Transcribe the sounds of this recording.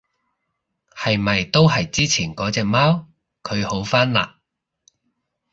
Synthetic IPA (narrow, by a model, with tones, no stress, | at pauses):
hɐ˨jmɐ˨jt̪o˥wɦɐ˨jt͡siː˥t͡sʰiː˨˩nkɔː˨˥t͡sɛː˨k̚maː˥w | kʰɵ˨˧ɥho˨˥wfaː˥nla̰ː˨